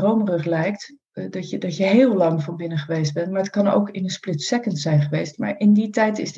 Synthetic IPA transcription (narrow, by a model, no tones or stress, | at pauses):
rowmərɵχlɛjkt | dɑədɑcjəɦɪːlˠlɑŋvɑnbɪnəχəʋejsd̚bɛntmaɹətkɑno̰wkɪnənsplɪtssɛkəntsɛjnχəʋejstma̰ːɹɪnditɛjtɪz